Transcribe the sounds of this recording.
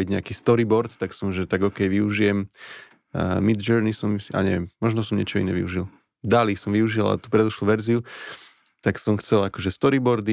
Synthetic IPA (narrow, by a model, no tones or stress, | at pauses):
iɟɲɛakiːst̪ɔɾibɔɾt̪t̪aksɔmʒɛt̪aɡɔkɛjʋiuʒijɛm | mid̪d͡ʒɛɾnisɔmsia̰ɲɛʋjɛmːɔʒnɔs̬ɔmɲɛ̰t͡ʃɔḭnɛ̰ʋḭuʒil | d̪alisɔmʋiuʒila̰t̪u̥pɾɛd̪uʃluʋɛɾziu | t̪aksɔmxt͡sɛlakɔʒɛst̪ɔɾibɔɾd̪i